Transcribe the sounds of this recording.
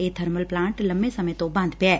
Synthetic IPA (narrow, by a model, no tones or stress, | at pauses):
eːt̪ʰɐɾməlplãːɳʈlɐmbesɐmət̪obɐ̃nd̪ʱpɛː